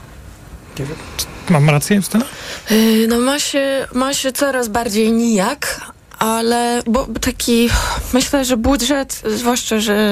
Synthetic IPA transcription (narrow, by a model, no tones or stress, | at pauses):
ɲɛvʲɛmmamɾat̪sjɛst̪ɛ | nɔmaɕɛmaɕɛt̪sɔɾazbaɾd͡ʑejɲijak | ʔalɛbɔt̪akʲʰimɘɕlɛʐɛbudʐɛt̪zvwaʂt͡ʂaʐɛ